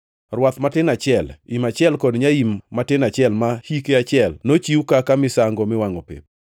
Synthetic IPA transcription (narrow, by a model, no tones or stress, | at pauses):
rwat̪matɪnat͡ʃɪɛlimat͡ʃjɛlkɔdɲaimːatɪnat͡ʃjɛlmahikeat͡ʃɪɛlnot͡ʃiukakamɪsaŋɡɔmɪwaŋopḛp̚